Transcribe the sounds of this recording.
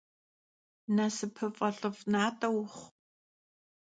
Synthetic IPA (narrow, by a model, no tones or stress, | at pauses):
nɐsɨpʰɨfʼɐɬɨvnaːtʼɐwχʷ